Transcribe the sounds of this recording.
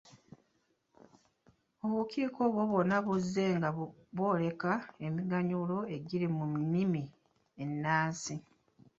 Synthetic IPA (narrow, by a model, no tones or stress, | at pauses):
o̞βuciːkʰo̞βwo̞βo̞naβuzːe̞ŋɡaβo̞ːle̞kae̞miɡaɲulo̞e̞ɟiɾimunimi | e̞nːaːsi